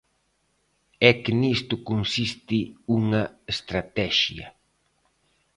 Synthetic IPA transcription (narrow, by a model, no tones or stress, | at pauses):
ɛkɪnist̪ʊkonsist̪ɪuŋɐest̪ɾat̪ɛʃjɐ̰